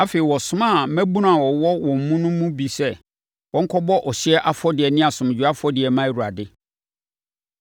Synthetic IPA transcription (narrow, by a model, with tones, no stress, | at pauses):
a˦feː˨i˨wɔ˨sʊ̃˦mã˦˨˦mæ̃˦bu˦n˦a˨wɔ˨wɔ˦wɔ̃˨m̩˨mũ˦nʊ̃˦mũ˦bi˨sɛ˦ | wɔ̃˨˦ŋ̩˦kʰɔ˦bɔ˦ʔɔ˨ɕɪ˦ɛ˦ʔa˦fɔ˦dɪ˨ɛ˨nɪ̃˦a˨sʊ̃˨m˨d͡ʑᶣu˦a˦fɔ˦dɪ˨ɛ˨mã˦˨u˨ɾa̰˨dɪ˦